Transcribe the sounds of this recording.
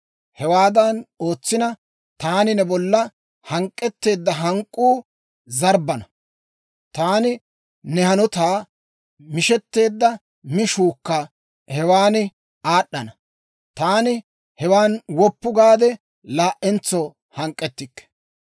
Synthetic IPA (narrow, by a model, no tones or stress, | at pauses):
hɛwaːd̪ɐno̞ːt͡sːɪnɐ | t̪aːnɪnɛbɔlːɐ | hɐŋkʼːɛt̪ːe̞ːd̪ːɐɦɐŋkʼːuː | zɐɾbɐnɐ | t̪aːnɪ | nɛhɐnɔt̪aː | mɪʃɛt̪ːe̞ːd̪ːɐ | mɪʃuːkːɐ | hɛwaːnɪ | aːɗːɐnɐ | t̪aːnɪ | hɛwaːnwɔpːʊɡaːd̪ɛ | laːʔɛnt͡sːɔ | hɐŋkʼːɛt̪ːɪkːɛ̥